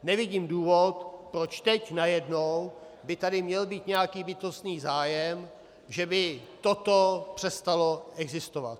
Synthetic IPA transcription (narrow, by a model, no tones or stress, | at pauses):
nɛvɪɟiːmduːvot̪pɾot͡ʃt̪ɛcnajɛdnow | bɪt̪adɪmɲɛlbiːt̪ɲɛjakiːbɪt̪o̞st̪niːzaːjɛm | ʒɛbɪt̪o̞t̪o̞pr̥ɛst̪alo̞ɛɡzɪst̪ova̰t̪̚